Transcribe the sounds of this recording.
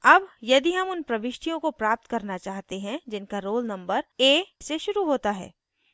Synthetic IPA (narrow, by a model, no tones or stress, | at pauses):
ɐbjɐd̪iɦɐmʊnpɾɐʋɪʃʈʰijõkopɾaːp̚t̪kɐɾnat͡ʃaːɦt̪eɦɛ̃d͡ʒɪnkaɾoːlnɐ̃mbəɾeːseʃʊɾuɦoːt̪aɦɛ̰ː